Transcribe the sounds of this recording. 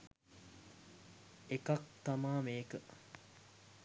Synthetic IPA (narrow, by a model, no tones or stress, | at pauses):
ekak̚t̪amaːmeːkə